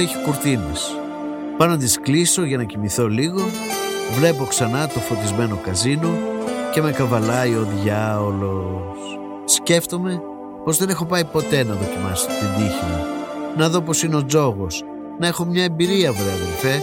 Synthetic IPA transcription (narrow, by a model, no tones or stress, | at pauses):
eçi̥kuɾt̪inḛs | pɐnnɐt̪̬iskliso̞ʝɐnɐcimiθo̞liɣo̞ | vle̞po̞ksɐnɐt̪ofot̪izme̞no̞kɐzino̞ce̞mekɐvɐlɐjo̞ðʝɐolo̞s | sce̞ft̪o̞me̞ | po̞zðe̞ne̞xo̞pɐipo̞t̪e̞nɐðo̞cimɐ̰so̥t̪ind̪içinɐ̰nɐðo̞p̬o̞sineo̞d͡zo̞ɣo̞s | nɐe̞xo̞mɲɐe̞mbiɾiɐvɾoɐðelfe